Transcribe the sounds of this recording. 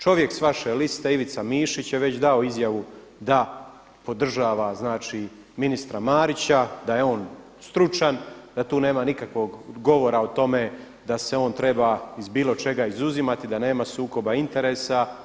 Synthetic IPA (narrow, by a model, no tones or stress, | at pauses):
t͡ʃo̞ʋje̞ksʋaʃelist̪e̞iʋit̪samiːʃit͡ɕjeʋe̞t͡ɕd̪ao̞izjaʋu | d̪a | po̞d̪r̩ʒaːʋaznaːt͡ʃi | minist̪ɾamaːɾit͡ɕad̪aje̞o̞ːn | st̪ɾut͡ʃand̪at̪uːne̞ːmanikakʋo̞ɡɡo̞ʋo̞ɾaot̪o̞me̞ | d̪ase̞o̞ːnt̪ɾe̞baizbiːlo̞t͡ʃe̞ɡaizuzimat̪id̪ane̞ːmasuːko̞baint̪e̞ɾe̞ːsa